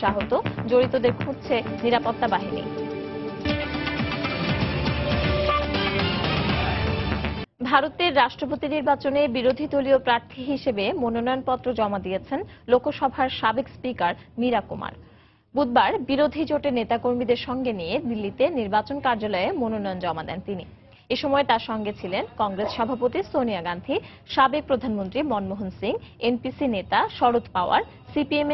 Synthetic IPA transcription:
ʃaɦot̪od͡ʑoɾit̪od̪eɾkʰũd̪t͡ɕʰe | niɾapot̪ːabaɦinḭ | bʱaɾot̪eɾːaʃʈɾopot̪iniɾbat͡ɕonebiɾod̪ʱit̪oliopɾaɾt̪ʰiɦiʃebemononɔjonpɔt̪ːɾod͡ʑɔmad̪ijet͡ɕʰenlokoʃɔbʱaɾʃabekspikaɾniɾakoma̰ɾ | bud̪̚baɾbiɾod̪ʱid͡ʑoʈenet̪akoɾmid̪eɾʃɔŋɡenijed̪ilːit̪eniɾbat͡ɕonkaɾd͡ʑalɔemononɔjond͡ʑɔmad̪ɛ̰nt̪ini | eʃɔmɔet̪aɾʃɔŋɡet͡ɕʰilenkɔŋɡɾesʃɔbʱapot̪isonijaɡand̪ʱi | ʃabek̚pɾod̪ʱanmont̪ɾimɔnmoɦonsiŋenpisinet̪aʃɔɾot̪paoa̰ɾ | sipieme

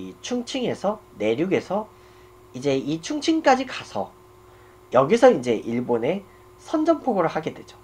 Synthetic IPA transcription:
it͡ɕʰuŋt͡ɕʰiŋe̞sʰʌne̞ɾjuɡe̞sʰʌ | id͡ʑe̞it͡ɕʰuŋt͡ɕʰiŋk͈ad͡ʑikasʰʌ | jʌɡisʰʌind͡ʑe̞ʔiɭbone̞ | sʰʌnd͡ʑʌnpʰoɡoɾɯɭhaɡe̞dwe̞d͡ʑo̥

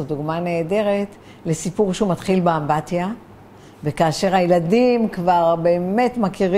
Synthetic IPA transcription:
oduɡmane̞ːde̞ʁe̞t | le̞sipuʁʃehumat̪χilbeambatja | vekaːʃe̞ʁhajeladimkvaʁbe̞ːme̞tmakiʁi

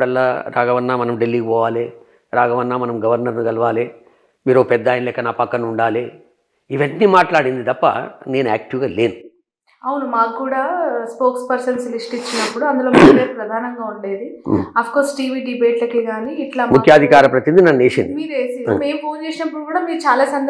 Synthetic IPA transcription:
ɽɐlːaːɾʔaːɡɐʋɐnːaːmɐnɐmɖelːiːpɔːʋaːle | ɾaːɡɐʋɐnːaːmɐnɐmɡɐʋɐɾnɐɾniɡɐlɐʋaːli | miːɾopɛd̪ːaːjnlɛːkɐnaːpɐkːɐnuɳɖaːli | iʋɐnːimaːʈlaːɽind̪id̪ɐpːɐ̰ne̞ːnuaːk̚ʈiʋɡaːle̞ːnu | ɐwunumaːkɡuːɽaːspoːkspɐɾsɐnslisʈit͡ʃːinɐpːuɽuɐnd̪ulo̞ːmiːeɾupɾɐd̪ʱaːnɐŋɡaːuɳɖeːd̪iɐpʰkoːɾsʈiːʋiːɖibe̞ːʈlɐkiːɡaːniːʈlaːmukʰjaːd̪ʱikaːɾɐpɾɐt̪inid̪inaːneːʃɐ̰nmiːɾeːsimeːmpoːnt͡ʃe̞ːsinɐpːuɽukuːɽaːmiːɾut͡ʃaːlaːsɐnd̪

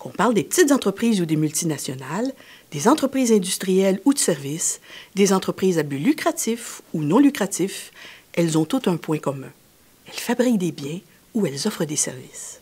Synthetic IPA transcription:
kɔ̃paʁld̪epət̪it̪zɑ̃t̪χəpχiːzud̪emylt̪inasjɔnald̪̥ezɑ̃t̪χəpχiːzɛ̃d̪yst̪ʁijɛlud̪ə̥sɛʁvisd̪ezɑ̃t̪χəpχiːzabylykʁat̪ifunɔ̃lykʁat̪ifɛlzɔ̃t̪ut̪œ̃pwɛ̃kɔmɛ̃ | ɛlfabʁik̚d̪ebjɛ̃ | uɛlzɔfʁəd̪esɛ̰ʁvis

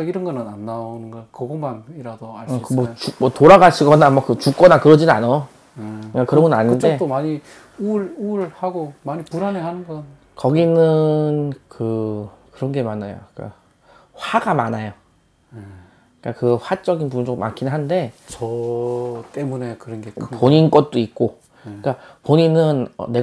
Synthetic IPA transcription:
ʌiɾʌnɡʌnɯnanːaonɯnɡʌɭkɯɡomaniɾadoaɭikmʌt͡ɕumʌtoɾaɡaɕʰiɡʌnamʌkɯt͡ɕuk͈ʌnakɯɾʌd͡ʑinɯanoo | k͈ːakɯɾʌŋɡʌnaɲinde̞t͈omaɲi | uɭuɭhaɡomaɲipuɾaneɦanɯnɡʌn | kʌɡinɯnkɯ | kɯɾʌnɡe̞manajo̰k͈a̰ | ɸwaɡamanajo | k͈akɯɸwat͡ɕ͈ʌɡinpunt͡ɕʰokma̰nkʰinɯnɦannde̞t͡ɕʌ | t͈emune̞kɯɾʌnɡepoɲink͈ʌt̚t͈oik̚k͈o | k͈apoɲinɯnʌ̰nːe̞

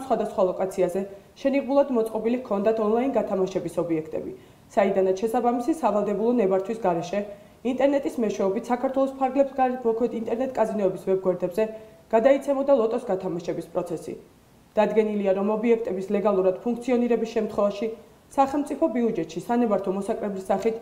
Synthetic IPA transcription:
sχwad̪asχwalˠɔkʼat̪sʰiazɛʃɛniʁmulˠad̪mɔt̪sʼqʼɔbilikʰɔnd̪at̪ʰɔnlˠainɡat̪ʰamaʃɛbisɔbiɛkʰt̪ʼɛ̰bi | said̪anat̪sʃɛsabamisisavalˠd̪ɛbulˠɔnɛbaɾt̪ʰwisɡaɾɛʃɛ | int̪ʼɛɾnɛt̪ʼismɛʃwɛɔbit̪ʰsakʰaɾt̪ʰwɛlˠɔspʰaɾɡlɛbsɡamɔkʰwɛt̪int̪ʼɛɾnɛt̪ʼkʼazinɔɛbisvɛb̚ɡwɛɾd̪ɛbzɛɡ̥ad̪ait̪sʰɛmɔd̪alˠɔt̪ʼɔsɡat̪ʰamaʃɛbispʼɾɔt̪sʰɛsḭ | d̪̥ad̪ɡɛniliaɾɔmɔbiɛk̚ʰt̪ʼɛbislɛɡalˠuɾad̪̥pʰuŋk̚ʰt̪sʰiɔniɾɛbisʃɛmt̪ʰχwɛvaʃi | saχɛlˠmt̪sʼipʰɔbiud͡ʒɛt̪ʃisanɛbaɾt̪ʰɔmɔsakʼɾɛblisaχit̪ʰ

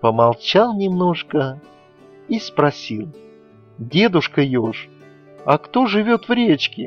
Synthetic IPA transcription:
pəmalˠt͡ɕalˠnʲɪmno̞ʂkə | ispɾɐsʲilˠ | dʲe̞d̪ʊʂkəjoʂ | ɐkt̪o̞ʐɨvʲot̪vɾʲet͡ɕkʲɪ

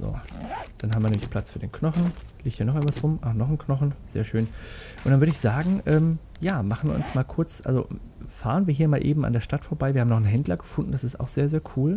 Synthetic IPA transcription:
z̥o̰ːd̥anɦabmviɐnɛːmlɪçpʰl̥at͡sfyːdeːnkʰnɔχn̩ | liːçthiːɐnɔχʔaɪnvasʁʊmʔanɔχn̩kʰnɔχn̩z̥ḛːɐʃøːn | ʔʊntd̥anvʏɐɾəɪçz̥aːɡŋ̩ʔɛːm | jaːmaχn̩vḭːʔʊ̰nsmaːlkʰʊɐt͡sʔa̰lzo̰ | faːʁ̞ənviːɐɦiːɐmaːlʔḛːbm̩ʔa̰ndeːɐʃtatfoːɐbaɪviːhːmnɔχnɦɛndlɐɡəfʊndn̩d̥asɪsta̰ʊxz̥eːɐzeːɐkʰuːl

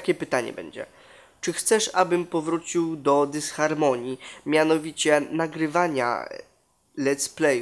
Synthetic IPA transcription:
kʲɛpɘt̪aɲɛ̰bɛ̰ɲd͡ʑɛ̰ | t͡ʂɘxt̪sɛʂabɘmpɔvɾut͡ɕiwd̪ɔd̪ɘsxaɾmɔɲimʲjanɔvʲit͡ɕɛnaɡɾɘvaɲa̰ | lɛt̪splɛj

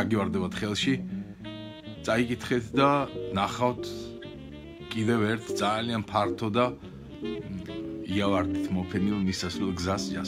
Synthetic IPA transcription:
aɡivaɾd̪ɛbat̪χɛlˠʃi | t̪sʼaikʼit̪ʰχɛt̪ʰd̪anaχavt̪ʰ | kʼid̪ɛvɛɾt̪ʰd̪zalianpʰaɾt̪ʰɔd̪a | iavaɾd̪it̪ʰmɔpʰɛnilˠmisːasɾɛlˠɡzasd͡ʒa̰

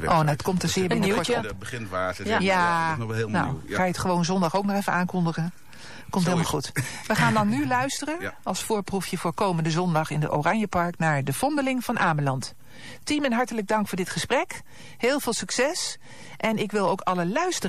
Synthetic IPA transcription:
ʔoːnatkɔmtəsɪːbɪnbəɪnaja | no̰wxaːjətχəʋownzɔndɑχoːwknɔχɛfənaːnkɔndəχən | kɔmtɦɪːlˠmalˠxutʋəχaːndɑnːylœɥstərəɑlˠsfʊːɹprufjəfʊːkowməndəzɔndɑχɪndə̰ʔo̰raɲjəpɑɹknaːɹdəfɔndəlɪŋv̥ɑnʔaːməlɑnt | timɛnɦɑɹtələɡ̚dɑŋkfʊːɹdɪtχəsprɛk | hɪːlˠvɪːlˠsyksɛs | ʔɛnɪkʋɪlˠowkɑləlœɥstə

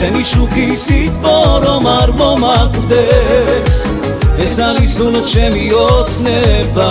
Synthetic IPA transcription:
ɛniʃukisit̪vɔɾɔmaɾmɔmakud̪ɛs | ɛsanisunɔt͡ʃɛmiɔt̪snɛba

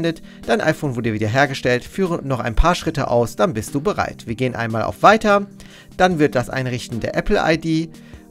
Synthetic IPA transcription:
ndət | d̥aɪnʔa̰ɪfoːnvʊɐdiːviːdɐɦeːɐɡəʃtɛltfyːʁənɔχa̰ɪnpʰaːɐʃʁ̥ɪtəʔa̰ʊsd̥anbɪstd̥uːbəʁa̰ɪtv̥iːɐɡeːənʔa̰ɪnmaːlʔa̰ʊfv̥aɪtɐ | d̥anvɪɐt̚d̥asʔa̰ɪnʁɪçtn̩deːɐʔɛpl̩ʔa̰ɪdiː

